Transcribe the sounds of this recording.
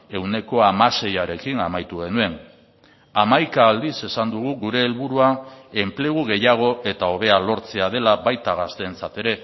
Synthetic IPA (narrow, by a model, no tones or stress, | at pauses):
e̞wne̞ko̞amase̞jaɾe̞kinamajt̪uɣe̞nue̞n | amajkaːld̪ise̞sand̪uɣ̞uɣuɾe̞ːlβuɾuae̞mple̞ɣ̞uɣ̞e̞jaɣ̞o̞ʔe̞t̪ao̞β̞e̞alo̞ɾt͡se̞að̞e̞laβajt̪aɣ̞ast̪e̞nt͡sat̪e̞ɾe̞